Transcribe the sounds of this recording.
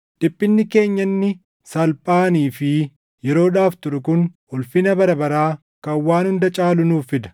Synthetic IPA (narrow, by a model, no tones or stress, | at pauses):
d̪̥ɪpʼːɪnːɪke̞ːɲːɐnːɪ | sɐlpʼaːniːfɪ | jɛɾo̞ːᶑaːft̪ʊɾʊkʊn | ʊlfɪnɐbɐɾɐbɐɾaː | kɐwːaːnhʊnd̪ɐt͡ʃʼaːlʊnuːfːɪd̪ɐ̥